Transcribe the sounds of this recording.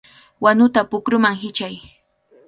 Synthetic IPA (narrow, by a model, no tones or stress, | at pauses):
wanʊt̪apʊkɾʊmaŋɦɪt͡ʃaj